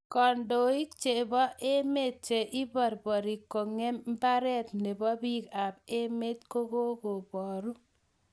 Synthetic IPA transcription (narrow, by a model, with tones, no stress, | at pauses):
kɔ˨ndo˨i˦k̚t͡ʃe˨bɔ˦ʔe˦me˦t̚t͡ʃe˨ʔi˦bɔ˨ɾbɔ˨ɾi˨kːo˨ŋe˦m̩˦ba˦ɾɛ˦t̪ne˨bɔ˦bi˦ka˨be˦me˦t̪ko˦ko˦ko˨bɔ˨ɾu˦